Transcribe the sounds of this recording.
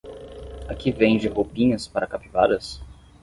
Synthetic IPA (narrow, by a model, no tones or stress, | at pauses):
akivẽj̃d͡ʒɪɦopĩɲɐspaɾɐkapivad̪ɐs